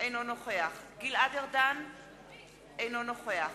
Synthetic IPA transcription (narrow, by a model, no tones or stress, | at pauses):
ʔejnonoχeaχɡiladeʁd̪an | ejnonoχea